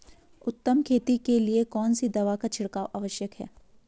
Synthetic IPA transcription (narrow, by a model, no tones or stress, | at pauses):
ʊt̪ːəmkʰeːt̪ikeliekɔːnsid̪ɐʋakat͡ʃʰɪɽkaːʋʔaːʋəʃjəkɦɛ̰ː